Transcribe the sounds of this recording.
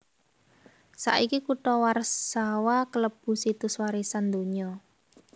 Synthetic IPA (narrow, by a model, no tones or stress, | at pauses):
sa̰ʔikikuʈɔwarsawakələb̥ṳsit̪ʊswaɾisand̪oɲɔ